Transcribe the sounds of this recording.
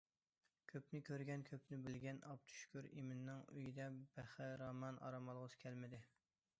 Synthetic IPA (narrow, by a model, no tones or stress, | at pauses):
kʲʰøpnɪkʲʰøɾɡʲɛnkʲʰøpnɪbɪlɡʲɛnɑp̚t̪ʰy̥ʃkʲyɾimɪnːɪŋy̰jid̪ɛb̥æχɪɾɑmɑnɑ̰ɾɑmɑlˠʁəzskʲʰɛlmɪd̪ɪ